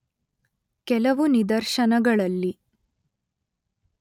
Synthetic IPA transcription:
kɛlɐʋunid̪ɐɾʃɐnɐɡɐɭɐlːi

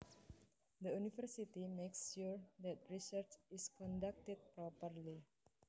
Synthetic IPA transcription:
d̪əunifəɾsit̪imeksʃuɹd̪ɛt̪̚ɹisərt͡ʃiskɔ̃ndak̚tɛd̪̚pɾɔpərli

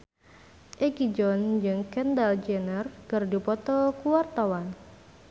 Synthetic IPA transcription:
ʔeɡid͡ʒɔnd͡ʒɨŋkɛndald͡ʒɛnərkərdipɔt̪ɔkuwart̪awan

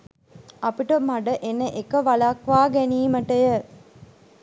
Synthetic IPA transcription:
apiʈəmaɖəʔenəʔekəʋalakʋaːɡæniːməʈəjə

